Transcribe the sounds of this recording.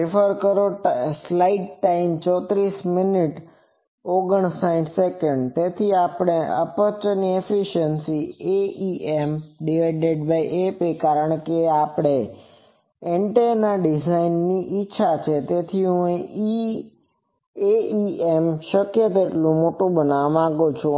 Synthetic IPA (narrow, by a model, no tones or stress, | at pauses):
ɾɪfʰəɾkəɾoslaiɖʈaimt͡ʃɔt̪ɾismɪniʈ | oɡəɳsaiɖsekəɳɖt̪et̪ʰiapɽ̃eə̰pət͡ʃniefiʃənsieiemɖieɖeɖbaiʔepekaɾəɳ̃keapɽ̃e | eɳʈenaɖizainːiʔiːʃʰat͡ʃʰet̪et̪ʰiɦũei | eiemʃəkjət̪̬eʈlũmoʈũbənaʋamãɡot͡ʃʰũ